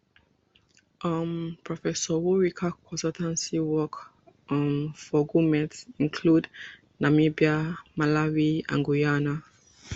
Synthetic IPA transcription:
ʔʌmpʰɹɔfɛsɔwuɹikʰakʰɔ̃nsɔltʰãnsiwɔk | mfɔɡumɛ̃tĩnkʰlud | namibiamalawiã̰nɡujana

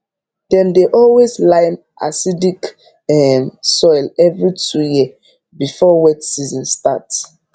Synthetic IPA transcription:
dɛ̃mdeʔɔlweslãɪm | ʔa̰sidik | ɛmsɔjlɛvɹitʰuji | bifɔwɛtsizɔ̃nstat

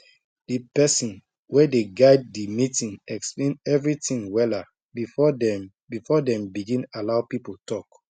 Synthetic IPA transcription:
d̥ipɛsĩn | wɛdeɡaɪd̚ːimitĩnɛksplẽnɛvɹitĩŋwɛla | bifɔɛ | bifɔdɛ̃mbiɡĩnalaʊpipotʰɔk

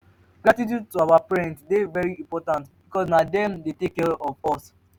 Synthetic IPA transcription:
ɡ̥ɹatit̬jud̚tuawapɛɹɛ̃ntdevɛɹiĩmpɔtãntbikɔsnadɛ̃mdetekːɛɹɔvɔs

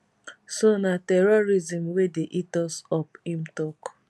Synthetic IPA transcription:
sonatɛɹɔɾizĩm̩wedeʔitɔsɔphĩm̩tɔk

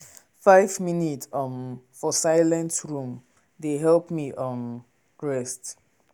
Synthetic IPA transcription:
faɪvminitʌmfɔsaɪlɛ̃ntɹũm | deɦɛlpmiʔʌm | ɹɛst

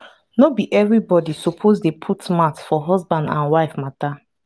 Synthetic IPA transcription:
nobiʔɛvɹibɔdisɔpʰozdepʰutmatfɔɦɔzbãndã̰nwaɪfmata

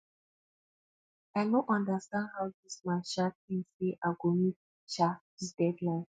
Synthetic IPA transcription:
anɔʔãndastãndhawdismãnʃatĩnseʔaɡomĩ | ʃa | isdɛdlãɪn

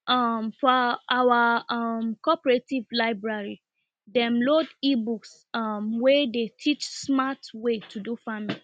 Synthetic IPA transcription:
ʔʌmfɔawaʌmkɔpɹetivlaɪbɹaɹi | dɛ̃mlodibuks | ʌmwedetʰit͡ʃsmatwetʰudufamili

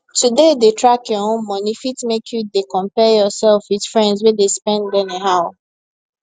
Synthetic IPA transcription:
tudedetʰɹakjɔõnmɔnifitmekʰjudekɔ̃mpɛjɔsɛlfwitfɹɛ̃ndzwɛdespɛ̃ndɛneɦaʊ

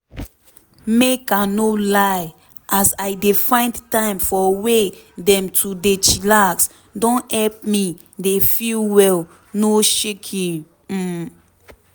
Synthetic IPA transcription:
mekanolaj | ʔasaɪdefãɪ̃ndtãɪ̃mfɔwedɛ̃mtʰudet͡ʃilaks | dɔ̃nhɛlp̚mi | defilwɛl | noʃekʰĩ

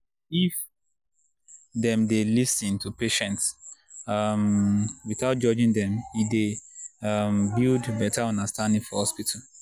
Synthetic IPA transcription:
if | dɛ̃mdelisĩntʰupeʃɛ̃nts | amwiθaʊt̚d͡ʒɔd͡ʒĩŋdɛ̃mideambildbɛtʰaɔ̃ndastãndĩŋfɔhhɔspitʰal

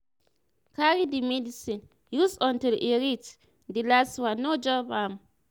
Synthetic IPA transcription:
kaɹidimɛdisĩn | jusɔ̃ntileɹit | dilaswanod͡ʒɔbam

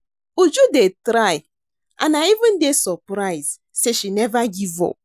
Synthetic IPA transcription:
ud͡ʒudetɾaj | ʔa̰naivɪ̃ndesɔpɾaɪz | seʃinɛvaɡivɔ̰

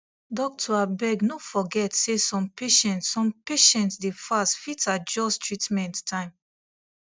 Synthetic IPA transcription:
dɔk̚tʰɔabɛɡnofɔɡɛtsesɔ̃mpeʃɛ̃ntsːɔ̃mpeʃɛ̃ntsdefastfitad͡ʒɔstʰɹitmɛ̃ntːʰãɪ̃m

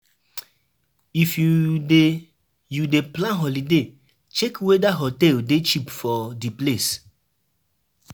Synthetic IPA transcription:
ifjue | judeplãnɦɔlide | t͡ʃekwedaɦɔtɛldet͡ʃipfɔdiples

